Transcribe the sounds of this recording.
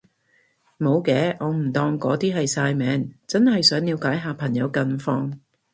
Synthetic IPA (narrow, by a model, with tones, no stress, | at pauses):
mo˨˧wkɛː˨˥ʔɔː˨˧m̩˨˩t̪ɔː˧ŋkɔː˨˧˥t̪iː˥ɦɐ˨jsaː˧jmɛː˨˥ŋt͡sɐ˥nhɐ˨jsœː˨˥ŋniː˨˧wkaː˨˥jɦaː˨pʰɐ˨˩ŋjɐ˨˧wkɐ˧nfɔː˧ŋ